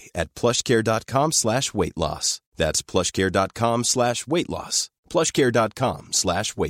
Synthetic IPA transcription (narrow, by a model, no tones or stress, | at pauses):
ɨt̚pʰl̥ʌʃkʰɛɹdɑt̚kʰɑ̃mslæʃweɪʔˡlɔ̰sðætspʰl̥ʌʃkʰɛɹdɑt̚kʰɑ̃mslæʃweɪʔˡlɔ̰s | pʰl̥ʌʃkʰɛɹdɑt̚kʰɑ̰̃mslæʃweɪ